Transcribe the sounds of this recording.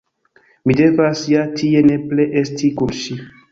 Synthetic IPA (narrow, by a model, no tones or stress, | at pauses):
mide̞vasjatʰie̞ne̞pleʔestʰikunʃi